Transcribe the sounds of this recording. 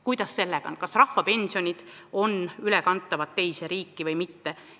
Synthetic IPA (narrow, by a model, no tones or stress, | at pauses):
kujd̪̥ɑsːe̞lːeɡ̥ɑ̰onkɑsrɑhfɑpe̞nʲsio̞nʲid̪̥ | o̞nylekɑnt̪ːˑɑvɑt̪ːe̞jseɾiːkːivɤjmit̪ːe